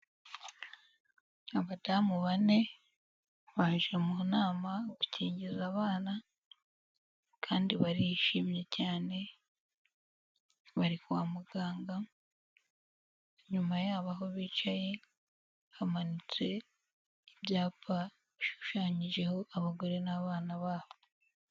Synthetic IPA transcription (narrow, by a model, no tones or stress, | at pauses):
aβadamuβane̞ | βaʒemunaːmaɡuciːɲɟizaβaːna | kʰaːndiβaɾijiʃiːmje̞caːne̞ | βaɾikuwaːmuɡaːŋɡa | ɲumajaːβaɦo̞βiːt͡ʃaje̞ | hamanit͡se̞ | ibjaːpa | βiʃu̥ʃaːɲiʒe̞ho̞ʔaβaɡo̞ɾe̞naβaːnaβaːβo